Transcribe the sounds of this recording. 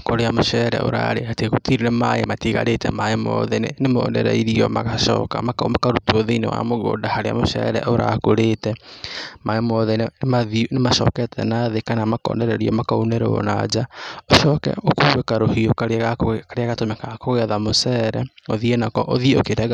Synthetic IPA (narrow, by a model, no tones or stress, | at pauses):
koɾeamoʃɛɾɛ̰ʔo̰ɾa̰ɾehatekutiɾiɾɛmajematiɣa̰ɾetɛ̰maemɔ̰ðɛnḛnemo̰ːnɛɾɛ̰iɾiɔmaɣaʃɔ̰ːka̰makamakaɾutuoðeinḛwa̰moɣo̰ːdahaɾea̰moʃɛ̰ɾɛ̰ʔoɾa̰koɾeːtɛmaemɔðɛnmaðinemaʃɔ̰ːkɛtʰɛ̰naðekanamakɔ̰ːndɛɾɛɾiɔmakaunɛɾɛo̰na̰d͡ʒaoʃɔkɛ̰okoβekaɾohiokaɾkaɾeaɣatomɛkakoɣɛðamosɛɾɛoðienakɔʔoðieokeɾɛɣa